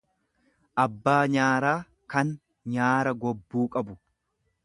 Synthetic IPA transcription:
ʔɐbːaːɲaːɾaː | kɐn | ɲaːɾɐɡɔbːuːkʼɐbʊ

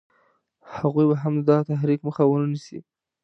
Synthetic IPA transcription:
haɣujbaɦamd̪ɑt̪aɦɾikməxawənənisḭ

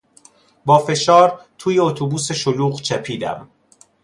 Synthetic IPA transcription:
bɒːfe̞ʃɒːɾt̪ʰuːje̞ot̪ʰobuːse̞ʃoluːɣt͡ʃʰæpʰiːd̪æ̰m

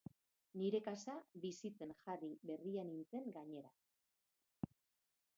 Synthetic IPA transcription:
niɾe̞kasabisit͡se̞nxariβe̞rianint͡se̞ŋɡaɲe̞ɾa

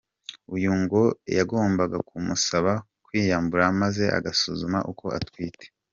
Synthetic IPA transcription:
ujuŋɡojaɡo̞ːmbaɡakumusaβa | kwiːjaːmbuɾamaze̞ʔa̰ɡasuzuma̰ʔuko̞ʔa̰twiːtʰe̥

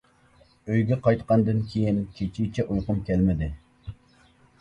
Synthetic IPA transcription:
øjɡʲɛqɑjt̪qɑnd̪ɨnkʲʰejinkʲʰet͡ʃʰit͡ʃʰɛʔujqʊmkʲʰɛlmɪd̪ɪ

